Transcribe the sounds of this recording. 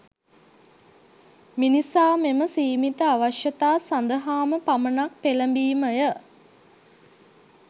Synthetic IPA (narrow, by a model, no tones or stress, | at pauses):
minisaːmeməsiːmit̪əaʋaʃjət̪aːsand̪əɦaːməpamənak̚peləmbiːməjə